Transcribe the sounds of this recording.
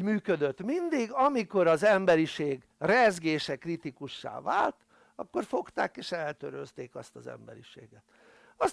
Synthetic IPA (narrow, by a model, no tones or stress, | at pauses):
myːkød̪øt̪mind̪iɡɒmiko̞ɾɒzɛmbɛɾiʃeːɡ | rɛzɡeːʃɛkrit̪ikuʃːa̰ːva̰ːlt̪ | ɒkːo̞rfo̞kt̪aːkeːʃɛlt̪øɾøzt̪eːkɒst̪ɒzɛ̰mbɛ̰ɾiʃḛːɡɛt̪ | ɒs